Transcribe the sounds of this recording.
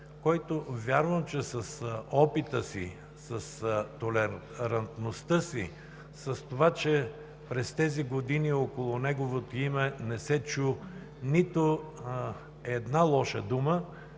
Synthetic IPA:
kɔjt̪ovʲjaɾvəmt͡ʃɛsəsɔpit̪əsḭ | səst̪olɛ | ɾɐnt̪nost̪əsi | səst̪ovat͡ʃɛ | pɾɛst̪ɛziɡod̪iniokolˠʊnɛɡovot̪oimɛnɛsɛt͡ʃu | nit̪o | ɛd̪nalˠɔʃəd̪umə

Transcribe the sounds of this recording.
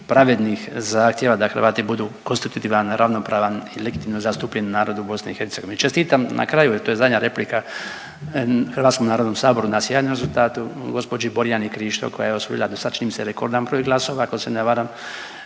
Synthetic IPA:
pɾaʋed̪nixzaːxt̪jeʋad̪axrʋaːt̪ibud̪ukonst̪it̪ut̪iːʋanɾaʋno̞pɾaːʋanileɡit̪imnozast̪upʎennaːɾod̪ubo̞sniixeɾt̪seɡo̞ʋenit͡ʃest̪iːt̪amnʔa̰kɾajuɛɾt̪oːjezad̪ɲaɾe̞plika | xrɾʋat̪ko̞mnaːɾod̪nomsaːbo̞ɾunasjeanomɾe̞zult̪aːt̪uɡo̞spod͡ʒiboɾijanikɾiːʃt̪o̰kojajeosʋṵḭlˠad̪osad̪t͡ʃinimseɾeko̞ɾd̪ampɾoːjiɡlˠaso̞ʋaːkoseneʋaːɾam

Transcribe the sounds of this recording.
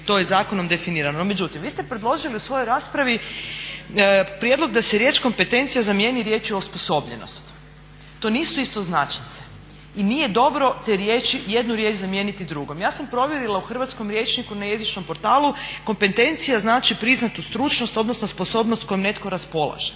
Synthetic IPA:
t̪o̞jezaːko̞no̞md̪e̞finiːɾanoomed͡ʒut̪imʋiːst̪epɾed̪lˠo̞ʒiliusʋo̞jojɾaːspɾaʋi | pɾje̞d̪lo̞ɡd̪aseɾje̞ːt͡ʃko̞mpe̞t̪e̞nt̪sijazamje̞niɾje̞ːt͡ʃiosposo̞bʎe̞no̰st̪ː | o̞ːniːsuist̪o̞znat͡ʃnit̪se̥ | iniːje̞d̪o̞bɾo̞t̪eɾjet͡ʃije̞d̪nuɾje̞t͡ʃzamje̞ːnit̪id̪ɾuɡo̞mjaːsampɾo̞ʋjeɾilˠauxr̩ʋat̪sko̞mɾje̞ːt͡ʃnikunaje̞zit͡ʃno̞mpo̞ɾt̪aːlˠuko̞mpe̞t̪e̞nt̪sijaznaːt͡ʃipɾiznat̪ust̪ɾut͡ʃno̞st̪o̞d̪no̞snospo̞so̞ːbnost̪ko̞jomne̞t̪koɾaspo̞lˠa̰ʒ̥e

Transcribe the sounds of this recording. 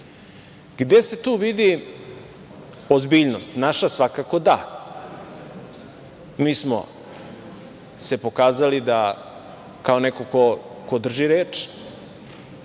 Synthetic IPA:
ɡ̥d̪e̞se̞t̪uːʋid̪i | ozbiːʎnost̪naʃasʋakako̞d̪a | miːsmo̰ | se̞po̞kaːzalid̪a | kaonekoko | ko̞d̪r̩ʒiɾeːt͡ʃ

